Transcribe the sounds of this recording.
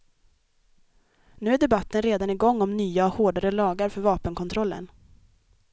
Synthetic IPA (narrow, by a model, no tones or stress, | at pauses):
nʉ̟ːæɖɛbat̪ːənɾeːd̪anɪɡɔŋːɔmnyːahoːɖaɾəlɑːɡaɾfœɾvɑːpənkʰɔnt̪ʰɾɔlːə̰n